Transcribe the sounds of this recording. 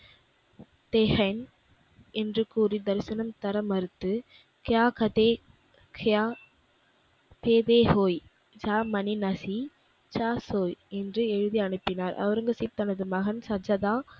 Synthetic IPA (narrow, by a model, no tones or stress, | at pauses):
t̪ɛɦɐɪn | ɛndrɯkuːrid̪ɐɾsɐnɐmt̪ɐɾɐmɐɾɯt̪ːɯ | kɪjaːkɐt̪eː | kʰaː | peːðeːhoːj | d͡ʒaːmɐninɐsi | t͡ʃaːsoːjɛndrɯɛɻɯðiɐɳɯpːɪnaːɾʔɐ̰ʋɐɾɯŋɡɐsipt̪ːɐnɐðɯmɐɣɐnsɐd͡ʒɐðaː